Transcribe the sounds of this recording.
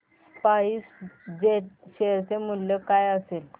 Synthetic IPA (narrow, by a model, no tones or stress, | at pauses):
paiːsd͡ʑeʈ̚ɕeɾt͡semuljokajəsel